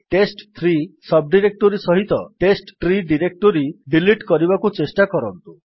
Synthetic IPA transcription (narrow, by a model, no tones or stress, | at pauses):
ʈesʈt̪ʰɾisɔb̚ɖiɾek̚ʈoɾisɔɦit̪ɔʈesʈtɾiɖiɾek̚ʈoɾiɖiliʈkɔɾibakut͡ʃesʈakɔɾɔnt̪u